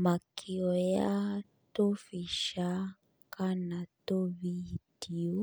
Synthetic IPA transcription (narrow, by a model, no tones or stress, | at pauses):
makʰiɔja | tofiʃa | kanatovidio